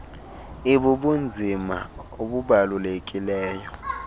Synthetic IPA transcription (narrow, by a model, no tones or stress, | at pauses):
iɓuɓund͡zʱima̰oɓuɓalulek̬ʼilɛːjɔ